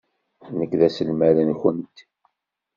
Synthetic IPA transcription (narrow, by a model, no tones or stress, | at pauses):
nəkːðæsəlmæɾənçənt̪